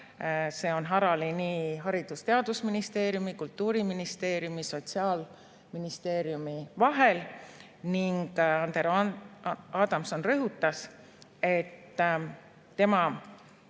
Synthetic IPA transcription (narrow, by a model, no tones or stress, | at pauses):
se̞ːo̞nɦɑɾɑliniɦɑɾid̪̥ust̪e̞ɑd̪̥usminist̪e̞ːɾjumikult̪ːuːɾiminist̪e̞ːɾjumiso̞t̪siɑːl | minist̪e̞ːɾijumivɑɦe̞l | niŋɡ̥ɑnd̪eɾ | ɑːd̪̥ɑmso̞nrɤɦut̪ːˑɑs | e̞t̪ː | e̞mɑ